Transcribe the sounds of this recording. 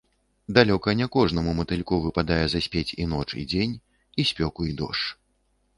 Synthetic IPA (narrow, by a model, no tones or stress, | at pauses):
d̪alʲɔkɐnʲɛkɔʐnɐmumɐt̪ɨlʲkɔvɨpad̪ajɛzɐsʲpʲet͡sʲḭnɔt͡ʂḭd͡zʲenʲ | isʲpʲɔkuid̪ɔ̰ʂt͡ʂ